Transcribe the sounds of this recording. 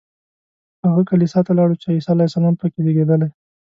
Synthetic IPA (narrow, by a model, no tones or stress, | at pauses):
haɣakalisɑt̪alɑɽut͡ʃeisɑlajasalɑmpəkeleɡed̪əla